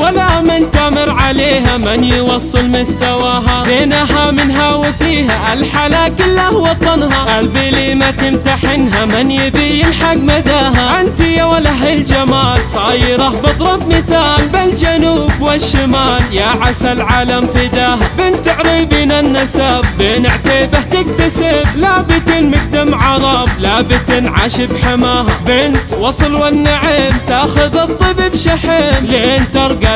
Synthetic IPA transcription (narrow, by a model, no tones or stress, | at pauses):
walːamɪnt̪amɪɾʕaleːɦamɪnjɪwɑsˤːɨlmʊst̪awaːɦabeːnaɦamɪnɦawɪfiːɦaʔalħalaːkɪlːahwɑt̪ˤːɑnɦaʔalbɪlimat̪ɪmt̪aħɪnɦamɪnjɪbijɪlħaɡmad̪aːɦaʔɪnt̪ɪjawalaɦald͡ʒamaːlsˤɑːjɪɾabɨd̪ˤɾˤɑbmɪθaːlbɪld͡ʒanuːbwɪʃːɪmaːljaʕasalʕaːlamfɪd̪aːɦabɪnt̪ɪʕɾibiːnanːasabːeːnɪʕt̪aːbaht̪ɪk̚t̪asɪblaːbɪt̪ɪnmɪk̚d̪amʕɑɾˤɑblaːbɪt̪ɪnʕa̰ʃɪbħamaːhabɪnt̪wɑsˤɨlwanːaʕɪmt̪aːxʊðɨt̪ˤːɨbɪbʃaħɪmleʔeːnt̪ɑɾˤɡa